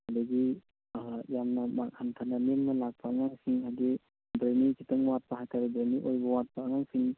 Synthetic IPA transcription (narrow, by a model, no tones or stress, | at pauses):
hadaɡi | jamnɐmakhankʰananeŋnɐlak̚pʰaːŋaŋsiŋhadi | bɾenikʰitɔŋwat̚paɦajkʰaɾbɾeniʔojbɐwat̚paːŋaŋsiŋ